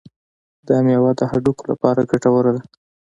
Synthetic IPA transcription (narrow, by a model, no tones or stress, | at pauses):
d̪əamjawɑd̪əhaɖukola̰pɑɾaɡaʈawəɾad̪a